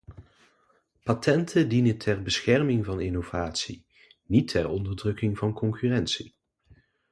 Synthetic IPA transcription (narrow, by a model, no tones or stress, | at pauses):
patʰɛntʰədinəntʰɛrbəsxɛrmɪŋvɑnɪnov̥aːtsi | nitʰɛɹɔndəɹdrɵkɪŋvɑnkɔŋkyrɛntsi